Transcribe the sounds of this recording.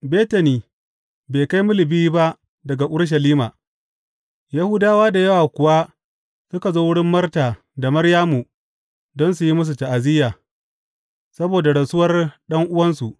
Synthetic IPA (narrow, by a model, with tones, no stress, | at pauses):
beː˦ta˨niː˨ | beː˨ka˦jmʊ˦lɪ˨biː˦ba˦ʔ | dɐ˨ɡa˨ʔʊ˦ɽʃ̬ɐ˨liː˦ma̰ː˨ | ja˦hʊ˦daː˦waː˦da˨jɐ˦wa˨kʷʊ˨wa˦ | sʊ˦ka˨zoː˦wʊ˦ɽɪ˦mːɐ˦rtaː˨ | da˨mɐ˦ɽjaː˦mu˨ | dɔ˦ns̬u˨ji˦mʊ˦s̬u˨ta˨ʔa˨zɪ˦jaː˨ | sɐ˦boː˨da˨ɽɐ˨sʊ˦wɐ˦rɗɐ˦ŋʔʊ˦wɐ˦nsu˨ʔ